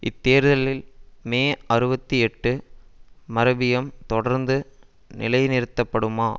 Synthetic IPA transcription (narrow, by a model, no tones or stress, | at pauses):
ʔɪt̪ːeːɾðɐlɪlmeːɐɾɯbɐt̪ːiɛʈːɯ | mɐɾɐbɪjɐmt̪ɔɽɐɾnd̪ɯ | nɪlɐɪnɪɾɯt̪ːɐpːɐɽɯmaː